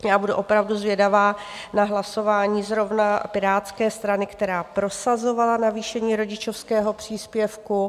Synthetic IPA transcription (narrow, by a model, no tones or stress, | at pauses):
jaːbuduʔo̞pɾavduzvjɛdavaːnaɦlaso̞vaːɲiːzɾo̞vnapɪɾaːt̪skɛːst̪ɾanɪkt̪ɛɾaːpɾo̞sazo̞valanaviːʃɛɲiːɾo̞ɟɪt͡ʃofskɛːɦo̞pr̝̥iːspjɛfku